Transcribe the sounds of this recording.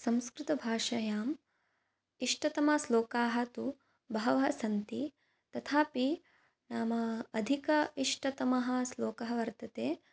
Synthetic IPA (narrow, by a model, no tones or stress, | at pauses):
sɐ̃mskɾɪt̪ɐbʱaːʂɐjaːm | iʂʈɐt̪ɐmɐsloːkaːɦɐt̪u | bɐɦɐʋɐɦɐsɐnt̪i | t̪ɐt̪ʰaːpi | naːmɐːd̪ʱikɐiʂʈɐt̪ɐmɐɦɐsloːkɐɦɐʋɐɾt̪ɐt̪eː